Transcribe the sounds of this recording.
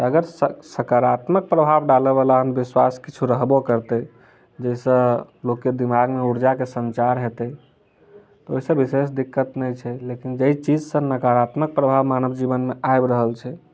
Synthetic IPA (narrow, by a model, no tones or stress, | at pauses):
t̪əɡəɾsəsəkaɾat̪mək̚pɾəbʱabɖaləbalaɦəmbiswaskit͡ʃʰuɾəɦbokəɾt̪ə | d͡ʒəisə̃ | lokːed̪imaɡmeuɾd͡ʒakesənt͡ʃaɾɦet̪ə | t̪ɔoɦisə̃bises̬d̪ikːət̪nɛt͡ʃʰɛlekind͡ʒəit͡ʃid͡ʒsə̃nəkaɾat̪mək̚pɾəbʱabmanəbd͡ʒibənmeajbɾəɦəlt͡ʃʰɛ